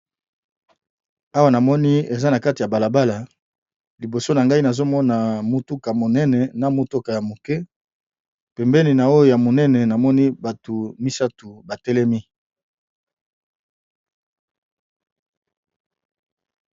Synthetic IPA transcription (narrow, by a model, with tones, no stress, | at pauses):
a˦wa˦˨na˨mɔ˦ni˦e˨za˦na˨ka˦ti˨ja˨ba˨la˨ba˦la˨ | li˨bo˨so˦na˨ŋɡa˦i˦na˨zo˦mɔ˦na˨mo˨tu˦ka˨mo˨nɛ˦nɛ˨na˨mo˨to˦ka˨ja˨mo˨kɛ˦ | pɛ˨mbɛ˦ni˨na˨o˦jo˨ja˨mo˨nɛ˦nɛ˨na˨mɔ˦ni˦ba˨to˨mi˦sa˦tu˨ba˨tɛ˦lɛ˦mi˦